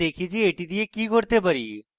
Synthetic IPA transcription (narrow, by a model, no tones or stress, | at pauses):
eːkʰid͡ʒieːʈid̪iekikoɾt̪epəɾiː